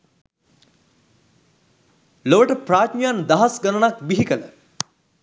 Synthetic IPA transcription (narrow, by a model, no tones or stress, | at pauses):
loʋəʈəpɾaːt̪mijand̪ɐɦɐsɡɐnənakbiɦikələ̰